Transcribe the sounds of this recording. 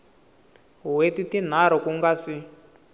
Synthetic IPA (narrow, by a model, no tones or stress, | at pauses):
wetitin̤aɾɔkuŋɡasi